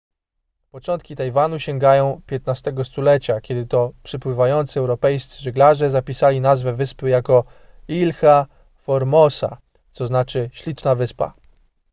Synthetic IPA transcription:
pɔt͡ʂɔnt̪kʲit̪ajvanuɕɛŋɡajɔ̃w̃pʲjɛt̪nast̪ɛɡɔst̪ulɛt͡ɕakʲɛd̪ɘt̪ɔpʂɘpwɘvajɔnt̪sɨɛwɾɔpɛjst̪sɘʐɘɡlaʐɛzapʲisalʲinazvɛvɘspɘjakɔ | ilxa | fɔɾmɔsa̰ | t̪sɔznat͡ʂɘɕlʲit͡ʂnavɘspa̰

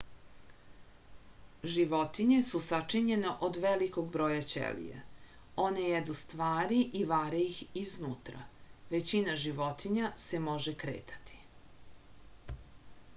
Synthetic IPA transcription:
ʒiʋot̪iɲe̞susat͡ʂiɲe̞noʔod̪ʋelikoɡ̚bɾoːjat͡ʃḛlḭjḛ | o̞nejed̪ust̪ʋaːɾiʔiʋaːɾeixiznuːt̪ɾa̰ʋe̞t͡ɕinaʒiʋo̞t̪ʰiɲase̞mo̞ʒekɾḛːt̪ʰḁt̪ʰi̥

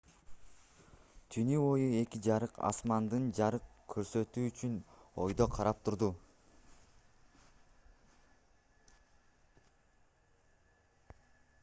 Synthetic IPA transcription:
t̪ʰynyo̞jue̞kid͡ʒɑɾɯqɑ̰smɑnd̪ɯnd͡ʒɑɾɯqkʰːøɾsø̞t̪yːt͡ʃyno̞jd̪o̞qʰɑɾɑp̚t̪ʰuɾd̪u

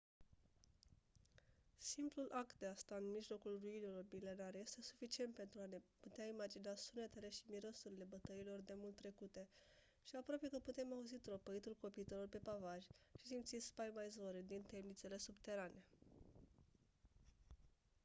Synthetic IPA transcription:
simplulʔak̚t̪̚d̪east̪aɨnmiʒlo̞kulruilelormile̞naɾje̞st̪e̞su̥fit͡ʃient̪̚pe̞nt̪ɾuane̞put̪eaimad͡ʒinasune̞t̪e̞le̞ʃimiɾo̞suɾile̞bət̪əilo̞rd̪e̞mult̪ːɾe̞kut̪e̞ | ʃiapɾowape̞kəput̪e̞mauzit̪ɾo̞pəit̪ulko̞pit̪elo̞rpe̞pavaʒʲʃi̥simt̪sit̪spajmajzoɾed̪int̪e̞mnit̪se̞le̞subt̪e̞ɾanʔe̞

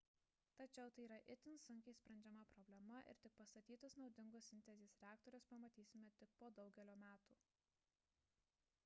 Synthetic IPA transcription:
t̪ɐt͡ʃʲɛʊt̪ɐɪiːɾɐʔɪt̪ʲɪnsʊŋʲkʲɛɪsʲpʲɾʲɛnʲd͡ʒʲɛmɐpɾɔbʲlʲɛmɐʔɪ̰ɾt̪ʲɪk̚pɐst̪ɐt̪ʲiːt̪ɐsnɒʊd̪ʲɪŋɡʊsʲsʲɪnʲt̪ʲɛzʲeːsɾʲæːkt̪ɔɾʲʊspɐmɐt̪ʲiːsʲɪmʲɛt̪ʲɪk̚poːd̪ɒʊɡʲɛlʲoːmʲæːt̪uː

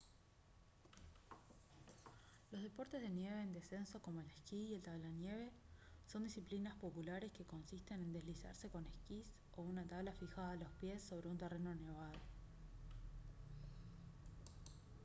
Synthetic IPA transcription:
lo̞zðepo̞ɾt̪e̞zðe̞nje̞βeːnd̪e̞se̞nso̞ko̞mo̞eleskiie̞lt̪aβlanje̞βe̞ | so̞nd̪isiplinaspo̞pulaɾe̞ske̞ko̞nsist̪e̞ne̞nd̪ezlisa̰ɾse̞ko̞neskis | o̞unat̪aβlafixaðalo̞spje̞sːo̞β̞ɾe̞unt̪ereno̞ne̞βaðo

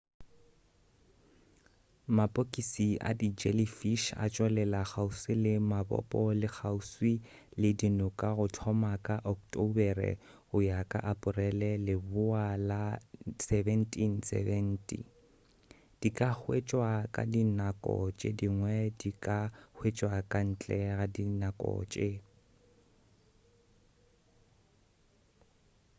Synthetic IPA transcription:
mapʼokʼisia̰did͡ʒɛlifiʃa̰t͡ʃʼwɛlɛlak͡xausilɪmabɔ̰pʼɔlɪk͡xʰauswi | lɪdinʊkʼaɣʊtʰɔmakʼaʔɔktʼobɛrɛ̰ | ʊjakʼa̰ʔapʼʊrɛlɛlɪbʊalasɛbɛn̩tʼin̩sɛ̰vɛn̩tʼḭ | d̥ikʼak͡xwet͡ʃʼwakʼa̰dinakʼɔ̰t͡ʃʼediŋwɛdikʼahwet͡ʃʼwakʼan̩t͡ɬʼɛɣadinakʼɔ̰ːt͡ʃʼe

